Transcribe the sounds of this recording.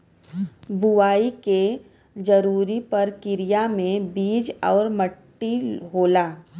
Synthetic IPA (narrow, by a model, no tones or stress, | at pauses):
bʊʋaːike | d͡ʒɐɾuːɾipɐɾkɪɾijamẽbiːd͡ʒɔːɾməʈːiɦoːlaː